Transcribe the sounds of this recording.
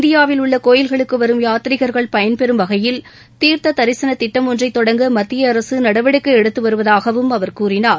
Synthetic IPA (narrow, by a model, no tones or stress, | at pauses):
nd̪ɪjaːʋɪlʊɭːɐkoːjɪlɣɐɭɯkːɯʋɐɾɯmjaːt̪ɪɾɪɣɐɾɣɐɭpɐjɐnpɛɾɯmʋɐɣɐjɪl | t̪iːɾt̪ɐt̪ɐɾɪsɐnɐt̪ːɪʈːɐmɔndrɐɪt̪ːɔɽɐŋɡɯmɐt̪ːɪjɐːɾɐsɯnɐɽɐʋɪɽɪkːɐɛɽɯt̪ːɯʋɐɾɯʋɐðaːɣɐʋɯmɐʋɐɾkuːrɪnaːɾ